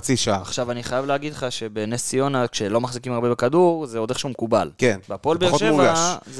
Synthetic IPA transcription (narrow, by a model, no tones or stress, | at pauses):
t͡siʃaaaχʃavaniχajavleaɡidleχaʃe̞benesio̞nakʃe̞lo̞maχzikimaʁbebekad̪uʁzeo̞d̪eχʃeumekubalkenbeapo̞lbeeoʃeuʁvɡaʃz